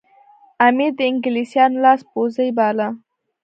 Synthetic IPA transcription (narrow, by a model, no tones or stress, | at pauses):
amid̪əɪŋɡɪlisjɑnlɑspozəjbɑːla